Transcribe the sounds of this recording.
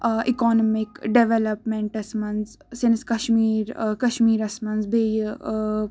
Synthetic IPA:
ikɔːnmikɖeʋelɐpmẽɳʈɐsmɐnz | sɪnskɐʃmiːɾkɐʃmiːɾɐsmɐnzbʱej

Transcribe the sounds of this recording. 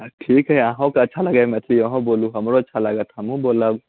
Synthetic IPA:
ʈʰiːkɦɛãːɦõkeɐtːʃʰalɐɡaːmɛ̃t̪ʰiəɦõboːlũɦɐmɾoɐtːʃʰaləɡat̪ʰɐmũboːlab

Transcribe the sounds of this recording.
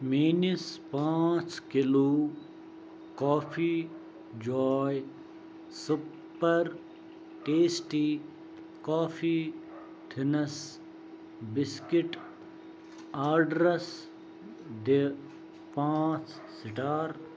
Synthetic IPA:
miːnispãːt͡ʃkɪloː | kɔːpʰiː | d͡ʒɔːj | su | pːɐɾ | ʈeːsʈiː | kaːfʰiː | t̪ʰɪnɐs | bɪskiʈ | aːɾɖɾɐs | d̪e | pãːt͡ʃ | sɪʈaːɾ

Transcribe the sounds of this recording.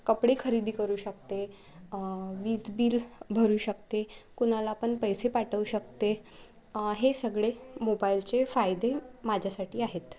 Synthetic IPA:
kəpɽekʰəɾid̪ʱiːkəɾuːɕəkt̪e | ʋiːd͡zbiːlbʱəɾuːɕək̚t̪ekuñalaːpəɳpəjsepaʈəʋuɕək̚t̪e | ɦesəɡɭemobailt͡sefajd̪emad͡ʑʱjasaʈiːaɦet̪

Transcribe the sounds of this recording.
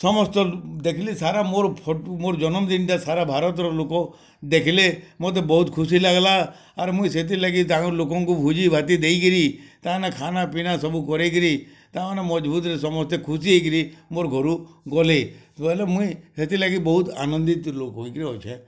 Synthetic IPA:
sɔmɔst̪ɔd̪ekʰilesaɾamoɾpʰɔʈmoɾd͡ʒɔnɔmd̪inʈasaɾabʱaɾɔt̪ɔɾɔlokɔ | d̪ekʰilemot̪̬ebɔɦut̪kʰusilaɡlaː | ɾmũĩset̪̬ilaɡit̪ãlokɔŋkubʱud͡ʒibʱat̪id̪ejkiɾit̪anekʰanapinasɔbukɔɾekiɾi | t̪ãnemɔd͡ʒbut̪ɾesɔmɔst̪ekʰusiɦejk̬iɾimoɾɡʱɔɾuɡɔleɔlemũĩset̪ilaɡibɔɦut̪a̰nɔnd̪it̪lokɦoikɾiɦɔjt͡ʃʰẽ

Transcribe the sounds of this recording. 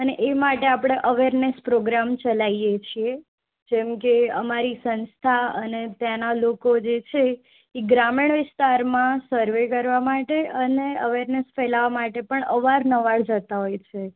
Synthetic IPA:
əneʔemaʈeapɽ̃eʔəʋeɾnespɾoɡɾamt͡ʃəlaijet͡ʃʰie | d͡ʒɛmkeəmaɾisənst̪ʰaənet̪janalokod͡ʒet͡ʃʰeː | ɡɾamiɳʋɪst̪aɾmãsəɾʋekəɾʋamaʈeəneəʋeɾnesfɛlaʋamaʈepəɳəʋaɾnəʋaɭd͡ʒət̪aɦojt͡ʃʰe

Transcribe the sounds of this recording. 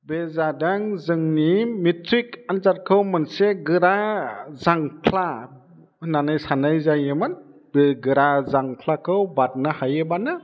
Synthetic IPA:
bezadaŋzɯŋnimitʰɾik̚anzat̚kʰɯwmɯnseɡɯɾazaŋkʰla | nanajsanajzajɯmɯn | beɡɯɾazaŋkʰlakʰɯwbat̚nahajɯbanɯ

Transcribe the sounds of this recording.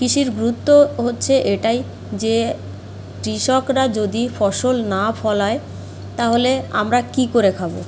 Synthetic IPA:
kiʃiɾɡɾut̪ːoɦotːɕʰeʔeʈaj | d͡ʑe | ʈɾiʃɔkɾad͡ʑod̪ifɔʃolnafɔlae | t̪aɦolea̰mɾakikoɾekʰabo̰

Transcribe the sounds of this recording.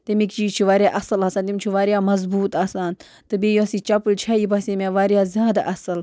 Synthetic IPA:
t̪imikt͡ʃit͡ʃʰiʋaːɾʲjaːʔɐsɨlasaːnt̪imʲt͡ʃʰiʋaːɾijaːmɐzbuːt̪asaːn | t̪ɨbʲeːjõːsit͡ʃɐpɨlʲt͡ʃʰɐjibɐsemʲaʋaːɾjaːzʲjaːd̪a̰ʔɐsɨl

